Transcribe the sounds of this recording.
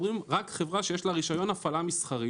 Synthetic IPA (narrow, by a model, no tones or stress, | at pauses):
ʁimʁakχe̞vʁaʃejeʃlaʁiʃajo̞nafalamisχaʁi